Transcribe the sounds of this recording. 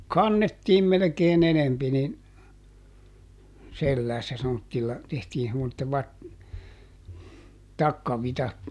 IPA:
kɑnːetːiːm melĕkeːn enempi nin selːæːsːæ semːotːilːɑ tehtiː semːotːe ʋɑt tɑkːɑʋitɑt

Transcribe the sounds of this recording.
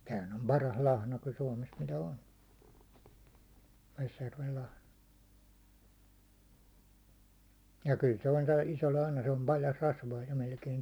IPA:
tæːhæn om pɑrɑs lɑhnɑ ku suɒmes mitæ on ʋesjærʋel lɑhnɑ jɑ kyl se on toi iso lɑhnɑ se om pɑljɑst rɑsʋɑː jo melkein

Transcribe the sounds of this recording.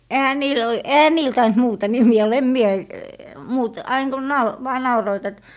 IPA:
ehæ niːl oi ehæ niːl tɑint muːtɑ nimiæ olːɑ em mie muːt ɑiŋ kun nɑu ʋɑː nɑuroit et

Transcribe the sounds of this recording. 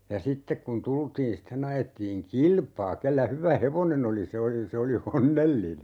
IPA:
jɑ sitːek kun tultiːn sitːen ɑjetːiːŋ kilpɑː kelːæ hyʋæ heʋonen oli se oli se oli onːelːine

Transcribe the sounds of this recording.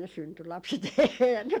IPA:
ne synty lɑpset eːhæn ne

